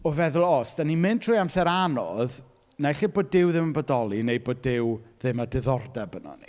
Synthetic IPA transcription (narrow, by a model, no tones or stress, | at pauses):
ɔvɛðʊlˠɔsd̥animɨntʰrʊːjamsɛɾanɔð | najχɪboːd̚dɪwðɪmənbədɔlˠinejboːdɪwðɪmadɪðɔrdɛbənɔ̰nḭ